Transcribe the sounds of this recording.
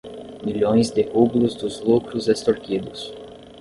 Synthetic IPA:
milõj̃zd̪ɪhublʊzd̪ʊzlukɾʊzest̪oɾkid̪ʊs

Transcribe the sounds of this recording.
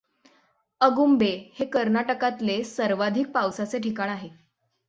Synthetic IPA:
əɡumbehekəɾnaʈəkat̪lesəɾʋad̪ʱik̚pawsat͡seʈʰikaɽ̃aɦe

